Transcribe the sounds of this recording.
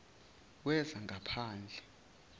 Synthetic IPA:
wɛzaŋɡʱapʰaːnd͡ɮʱɛ

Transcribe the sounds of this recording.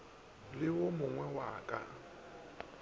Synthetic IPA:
lɪwʊmʊŋwɛwa̰ːkʼa̰

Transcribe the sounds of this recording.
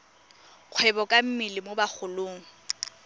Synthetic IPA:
q͡χʰwɛbɔkʼam̩milɪmobak͡xʰʊlʊːŋ̩

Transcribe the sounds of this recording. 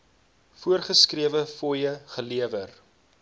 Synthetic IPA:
fuərχəskriəvəfɔjəχəliəvər

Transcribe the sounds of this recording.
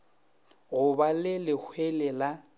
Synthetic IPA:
ɣʊbalɪlɪk͡xʰwelɛla

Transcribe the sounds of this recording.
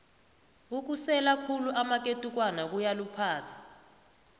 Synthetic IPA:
uk̬usɛlakʰuluʔamak̬ʼetʼuk̬wanak̬ujalupʰaːtʰḁ

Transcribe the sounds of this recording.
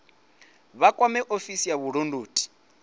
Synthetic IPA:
βakʼwamɛʔofisijaβuɺondoːtʼi̥

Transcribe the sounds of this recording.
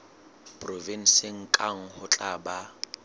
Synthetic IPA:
pʼrɔvin̩sɪŋ̩kʼaŋ̩hʊt͡ɬʼaba

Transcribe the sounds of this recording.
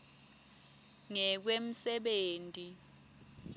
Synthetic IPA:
ŋɛk̬wem̩sɛɓeːntʼi

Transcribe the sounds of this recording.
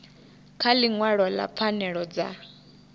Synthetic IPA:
kʰaliŋwaɺɔla̰pʰanɛɺɔd͡za̰

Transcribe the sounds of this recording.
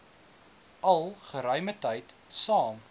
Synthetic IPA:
ɐlˠχəɾœɥmətəjt | sɑːm

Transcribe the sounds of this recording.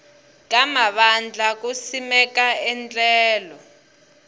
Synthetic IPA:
k̬amaɓand͡ɮʱak̬usimɛk̬aɛnt͡ɬʼɛːlɔ

